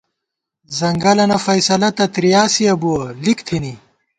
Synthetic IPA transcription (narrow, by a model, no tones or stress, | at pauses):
zɐŋɡɐlɐnɐfɐjsɐlɐt̪ɐt̪ɾijaːsiɐbuɐlikt̪ʰini